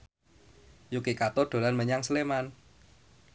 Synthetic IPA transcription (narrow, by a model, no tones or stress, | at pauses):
jukikat̪ɔɖ̥o̤lanməɲaŋsəleman